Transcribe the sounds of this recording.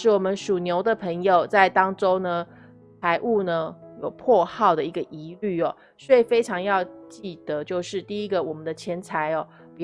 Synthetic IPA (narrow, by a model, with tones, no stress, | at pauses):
ɻ̩˥˩wɔ˨˩mə˦nʂu˨˩njo˧˥ʊd̪ə˨pʰə˧˥ŋjo˨ʊt͡sa˥˩ɪt̪ɑ˥ŋʈ͡ʂo˥ʊnə˧ | t͡sʰa˧˥ɪʔu˥˩nə˦jo˨˩ʊpʰwɔ˥˧xɑ˥˩ʊd̪ə˩i˧˥ɡə˧ʔi˧˥ly˥˩ɔ˨˩ | swe˥˩i˨˩fe˥ɪʈ͡ʂʰɑ˧˥ŋjɑ˥˧ʊt͡ɕi˥˩d̪ə˩˦t͡ɕjo˥˧ʊʂɻ̩˥˧t̪i˥˩i˥ɡə˨wɔ˨˩mə˦nd̪ə˧˦t͡ɕʰjɛ˧˥nt͡sʰa˧˥ɪɔ˨˩ | pi˨